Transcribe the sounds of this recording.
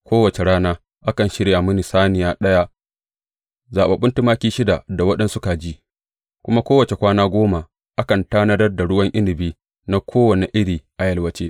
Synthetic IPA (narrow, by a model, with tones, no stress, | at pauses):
kʷoː˦wɐ˨t͡ʃe˨ɽaː˦naː˦ | ʔa˦kɐ˨nʃɪ˦ɽja˨mʊ˦ni˨saː˦nɪ˨jaː˦ɗɐ˦ja˦ | zaː˨ɓa˨ɓʊ˦nti˦maː˦kʲiː˦ʃɪ˦da˨da˨wɐ˦ɗɛ˦nsʊ˦ka˨d͡ʒi˦ | kʷʊ˦ma˦kʷoː˦wɐ˨t͡ʃe˨kʷaː˦naː˦ɡʷoː˦ma˨ | ʔa˦kɐ˨ntaː˦nɐ˦dɐ˦rda˨ɽʊ˦wɐ˦ŋʔɪ˦ndɪ˨biː˦ | na˦kʰʷoː˦wɐ˨ne˨ʔɪ˦ɽiː˨ʔa˨jɐ˦lwɐ˦t͡ʃeː˦